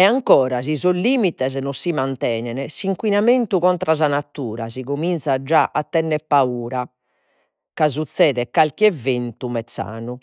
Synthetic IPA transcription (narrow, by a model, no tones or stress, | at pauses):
ɛaŋkɔːɾazizolːiːmit̪ɛznɔsːimant̪ɛːnɛnɛsiŋkwinament̪uɣɔnt̪ɾaz̬anat̪ːuːɾa̰ziɣomint̪sad͡ʒaʔat̪ːɛnːɛpːauːɾa | kazut̪sːɛːðɛkalkɛvent̪umɛt̪sːa̰ːnu